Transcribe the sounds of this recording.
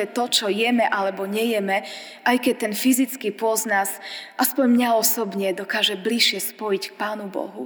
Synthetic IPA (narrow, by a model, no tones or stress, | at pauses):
ɛt̪ɔt͡ʃɔjɛmɛʔalɛbɔɲɛjɛmɛ | ʔajkɛct̪ɛnfizit͡skipɔznasʔaspɔɲmɲaɔsɔbɲɛd̪ɔkaːʒɛbliʃɪɛspɔjick̚paːnubɔ̰ɦṵ